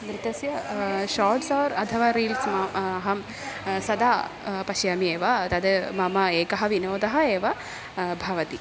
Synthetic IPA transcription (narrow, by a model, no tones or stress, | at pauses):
d̪ɾit̪ɐsjɐʃaːʈsaːʋɾɐt̪ʰɐʋaːɾiːlsmɐɐɦɐm | sɐd̪aːpɐʃjaːmieːʋɐt̪ɐd̪ɐmɐmɐeːkɐɦɐʋinoːd̪ɐɦɐeːʋɐ | bʱɐʋɐt̪i